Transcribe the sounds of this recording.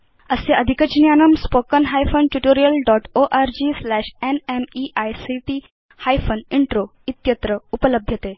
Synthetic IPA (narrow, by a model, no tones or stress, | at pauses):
əseʔəd̪ʱikət͡ɕnjanəmspokənɦajfənʈuʈoɾijəlɖɔʈoʔaɾd͡ʑislæɕenemiʔajsiʈi | hajfəniɳʈɾoit̪jət̪ɾəupələbʱjət̪e